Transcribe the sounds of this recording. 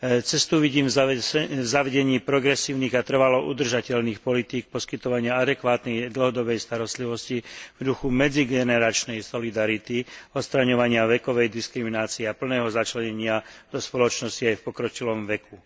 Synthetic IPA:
t͡sɛst̪uʋiɟiːm | vzaʋɛɟɛɲiːpɾɔɡɾɛsiːʊniːɣat̪r̩ʋalɔʔud̪r̩ʒacɛlniːxpɔlit̪iːk̚pɔskit̪ɔʋaɲɪaad̪ɛkʋaːt̪nɛjd̪l̩ɦɔd̪ɔbɛjst̪aɾɔst̪liʋɔscivd̪uxumɛd͡ziɡɛnɛɾat͡ʃnɛjsɔlid̪aɾit̪iɔt̪st̪ɾaɲɔʋaɲɪaʋɛkɔʋɛjd̪iskɾiminaːt͡siɛapl̩nɛːɦɔzat͡ʃlɛɲɛɲɪad̪̥ɔspɔlɔt͡ʃnɔsciajfpɔkɾɔcilɔmʋɛku

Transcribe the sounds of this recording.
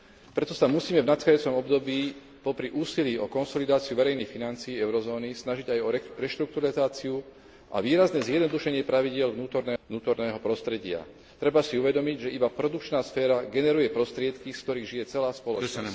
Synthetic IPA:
pɾɛt̪ɔsamusiːmɛvnat̪xaauːt͡sɔmɔbd̪ɔbiː | pɔpɾiʔuːsiliːɔkɔnsɔlid̪aːt͡siuʋɛɾɛjnixfinant͡siːɛʊɾɔzɔːnisnaʒiɟajɔɾɛʃt̪ɾuk̚t̪uɾalizaːt͡siu | ʔa̰ʋiːɾaznɛzjɛd̪nɔd̪uʃɛɲɪɛpɾaʋiɟɪɛlʋnuːt̪ɔɾnɛːnuːt̪ɔɾnɛːɦɔpɾɔst̪ɾɛɟɪa̰ | t̪ɾɛbasiuʋɛd̪ɔmiɟʒɛʔibapɾɔd̪ukt͡ʃnaːsfɛːɾaɡɛnɛɾujɛpɾɔst̪ɾɪɛt̪kisk̚t̪ɔɾiːɣʒijɛt͡sɛlaːspɔlɔt͡ʃns

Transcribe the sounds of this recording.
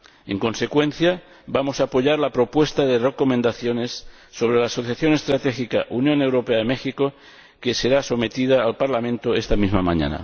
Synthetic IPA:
eŋko̞nse̞kwe̞n̟θja | bamo̞saːpo̞ʎaɾlapɾo̞pwe̞st̪aðereko̞mend̪aθjo̞ne̞sː | o̞βɾelaːso̞θjaθjo̞ne̞st̪ɾat̪exikaʔunjõ̞ne̞wɾo̞peaemexiko̞ | ke̞se̞ɾaso̞me̞t̪iðaːlpaɾlamẽ̞nt̪oest̪amizmamãɲa̰na̰

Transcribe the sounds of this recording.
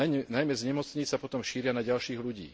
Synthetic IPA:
najmɛzɲɛmɔt͡sɲit͡sapɔt̪ɔmʃiːɾɪanaɟalʃiːɣluɟḭː

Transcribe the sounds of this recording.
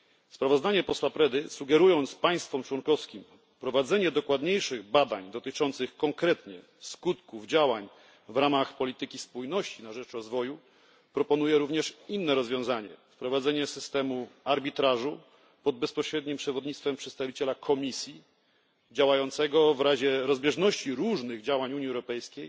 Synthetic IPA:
spɾavɔzd̪aɲɛpɔswapɾɛd̪ɘsuɡɛɾujɔnt̪spaj̃st̪fɔmt͡ʂwɔnkɔfskʲim | pɾɔvad̪zɛɲɛd̪ɔkwad̪ɲejʂɘɣbad̪aɲd̪ɔt̪ɘt͡ʂɔnt̪sɘxkɔŋkɾɛt̪ɲɛ | skut̪kuvd͡ʑawaɲ | vɾamaxpɔlʲit̪ɘkʲispujnɔɕt͡ɕinaʐɛt͡ʂɾɔzvɔju | pɾɔpɔnujɛɾuvɲɛʂinːɛɾɔzvʲjɔ̃w̃zaɲɛ̰fpɾɔvad̪zɛɲɛsɘst̪ɛmuaɾbʲit̪ɾaʐu | pɔd̪̚bɛspɔɕɾɛd̪ɲimpʂɛvɔd̪ɲit̪st̪fɛmpʂɛt̪st̪avʲit͡ɕɛlakʰɔmʲisʲji | d͡ʑawajɔnt̪sɛɡɔvɾaʑɛɾɔzbʲjɛʐnɔɕt͡ɕiɾuʐnɘɣd͡ʑawaɲuɲiɛwɾɔpɛjskʲej

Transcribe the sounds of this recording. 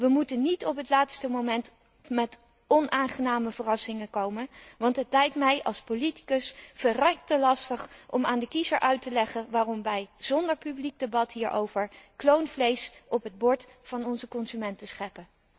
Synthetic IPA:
ʋəmutənitɔpɦətlaːtstəmowmɛnt | mɛt | ɔnʔaːnχənaːməvərɑsɪŋəkowmənʋɑntɦətlɛjk̚tmɛjʔɑ̰lˠspoliti̥kəsfərɛk̚təlɑstəχʔɔ̰ma̰ːndəkizəɹʔœɥtəlɛχənʋaːrɔmʋɛjz̥ɔndəɹpyblik̚debɑtɦiːɹʔo̰wvəɹklownvlejsʔɔpɦəd̚bɔɹtfɑnɔnzəkɔnzymɛntəsχɛpə

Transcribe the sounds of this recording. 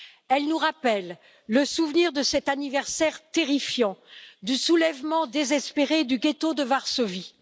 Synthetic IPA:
ɛlnuʁapɛlː | əsuvniʁd̪əsɛt̪anivɛʁsɛʁt̪eʁifjɑ̃d̪ysulɛvmɑ̃d̪ezɛspeʁed̪yɡʲet̪od̪əvaʁsovi

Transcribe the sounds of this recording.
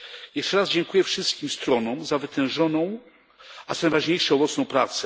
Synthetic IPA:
jɛʂt͡ʂɛɾazd͡ʑɛŋkujɛfʂɘst̪̚kʲimst̪ɾɔnɔ̃wzavɘt̪ɛ̃w̃ʐɔnɔ̃w̃ | azanajvaʐɲejʂɛɔbɔt̪sɔ̃w̃pɾat̪sɛ

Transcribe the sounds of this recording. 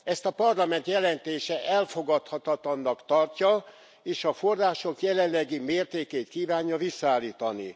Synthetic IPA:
ɛst̪ɒpɒrlɒmɛnt̪jɛlɛnt̪eːʃɛʔɛlfo̞ɡɒt̪hɒt̪ɒt̪lɒnːɒkt̪ɒrcɒ | eːʃɒfo̞rːaːʃo̞kjɛlɛnlɛɡimeːrt̪eːkeːt̪kiːvaːɲːɒvisːaːlːiːt̪ɒnḭ

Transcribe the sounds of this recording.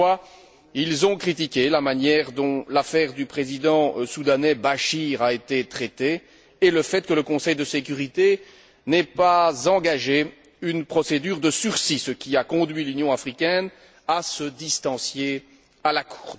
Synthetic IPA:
a | ilzɔ̃kχit̪̬ikʲelamanjɛʁd̪ɔ̃lafɛʁd̪ypχezid̪ɑ̃sud̪anɛbaʃiʁaet̪et̪χɛt̪eː | ləfɛt̪̚kələkɔ̃sɛjd̪əsek̬ʲyʁit̪e | nɛpazɑ̃ɡaʒe | ynpχɔsed̪yːʁd̪əsyʁsisəkʲiakɔ̃d̪ɥilynjɔ̃afχikʲɛn | asəd̪ist̪ɑ̃sje | alakʰu̥ʁ

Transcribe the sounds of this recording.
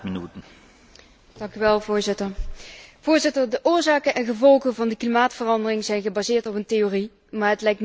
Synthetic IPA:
mənytə | d̥ɑŋkyʋɛlˠvʊːɹzɪtəɹv̥ʊːɹzɪtəɹdəʔʊːɹzaːkənɛnχəvɔlˠχənvɑndəklimaːtfərɑndərɪŋzɛjnχəbaːzɪːɹtɔpənteoːri | maːɹɦətlɛjkn

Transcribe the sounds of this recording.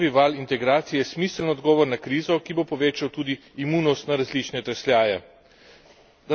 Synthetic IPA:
ʋiʋaːlint̪ɛɡɾaːt̪sijɛɛsmiːslnɔd̪ɡɔːʋɔɾnakɾiːzɔkibopɔʋeːt͡ʃawt̪uːd̪iːmuːnɔst̪naɾazlit͡ʃnɛt̪ɾɛslʲjaːjɛ | d̪a

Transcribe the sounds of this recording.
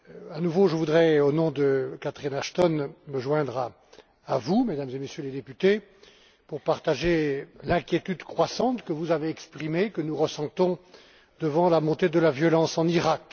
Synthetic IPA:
anuvoʒəvud̪ʁɛonɔ̃d̪əkat̪χinaʃt̪ɔnməʒwɛ̃d̪ʁaː | vumed̪amzemesjøled̪epyt̪e | puʁpaʁt̪aʒelɛ̃kʲjet̪yd̪kχwasɑ̃t̪kəvuzaveɛkspχimekənuʁəsɑ̃t̪ɔ̃ | d̪əvɑ̃lamɔ̃t̪ed̪əlavjɔlɑ̃sɑ̃niʁak

